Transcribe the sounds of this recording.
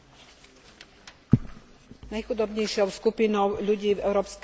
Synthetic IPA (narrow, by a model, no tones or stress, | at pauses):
najxud̪ɔbɲɛjʃɪɔʊskupinɔʊʎuɟiːvɛ̰ʊɾɔːpsk